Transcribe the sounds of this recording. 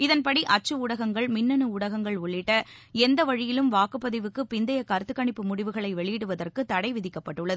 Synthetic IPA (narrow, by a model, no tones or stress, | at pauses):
ɪðɐnpɐɽiʔɐt͡ʃːɯʊɽɐɣɐŋɡɐɭmɪnːɐnɯʊɽɐɣɐŋɡɐɭʊɭːɪʈːɐɛnd̪ɐʋɐɻɪjɪlɯmʋaːkɯpːɐðɪʋɯkːɯpɪnd̪ɐjɐkɐɾt̪ːɯkːɐɳɪpːɯmʊɽɪʋɯɣɐɭɐɪʋɛɭɪjɪɽɯʋɐðɐrkɯt̪ːɐɽɐɪʋɪðɪkːɐpːɐʈːɯɭːɐð